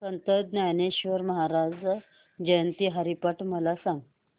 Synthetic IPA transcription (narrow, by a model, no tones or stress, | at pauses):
sənt̪əd̪̚njajneɕʋəɾməɦaɾad͡z | d͡ʑəjənt̪iːɦəɾipəʈʰməlasãŋɡ